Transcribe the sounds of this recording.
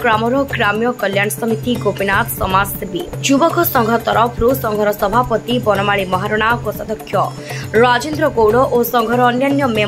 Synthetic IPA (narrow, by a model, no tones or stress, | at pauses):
kɾamɔɾɔɡɾamjɔkɔljanɔsɔmit̪iɡopinat̪sɔmast̪bid͡ʒubɔkʰɔsɔŋɡʱɔt̪ɔɾʔɔpʰɾusɔŋɡʱɔɾɔsɔbʱapɔt̪ibɔnɔmaɭimɔɦaɾɔɽ̃akɔsad̪ɔkʰːjɔ | ɾad͡ʒend̪ɾɔkowɽɔʔosɔŋɡʱɔɾɔːnjanjɔme